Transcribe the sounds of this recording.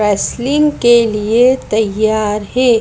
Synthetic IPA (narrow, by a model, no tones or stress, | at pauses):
ɛːslɪ̃ŋɡkeliet̪ɐjːaːɾɦɛː